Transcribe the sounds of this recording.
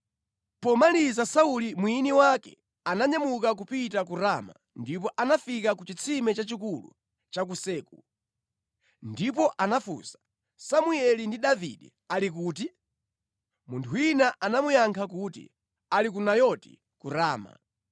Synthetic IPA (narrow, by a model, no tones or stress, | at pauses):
pɔmalizasaulimwiniwakɛ̰ | anaɲamukak̬upit̬ak̬uɾama̰ | ndip̬ɔʔanafikak̬ut͡ʃit͡sʰimɛt͡ʃat͡ʃikulṵ | t͡ʃak̬usɛːku | ndipɔʔanafṵsḁ | samuɛlindiɗavḭɗɛ̰ | alik̬uːti | muntʰuinaʔanamujaŋkʰakutḭ | alik̬unajɔti̥̰ | kuɾaːma̰